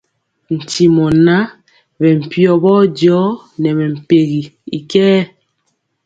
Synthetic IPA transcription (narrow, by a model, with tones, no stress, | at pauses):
n̩˨ti˨mɔ˨na˦ | bɛ˨m̩˨pjɔ˨bɔː˦dɔ˨˦ | nɛ˨βɛ˨m̩˨pe˨ɣi˨i˨kɛː˦